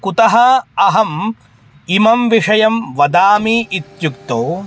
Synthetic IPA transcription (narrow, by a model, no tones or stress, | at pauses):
kut̪ɐɦɐɐɦɐm | imɐmʋiʂɐjɐmʋɐd̪aːmiːʔit̪jukt̪oː